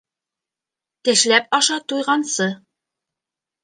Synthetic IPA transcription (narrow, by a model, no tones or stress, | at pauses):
t̪ɘ̆ʃlæp̚ɑʃɑt̪ujʁɑnsɤ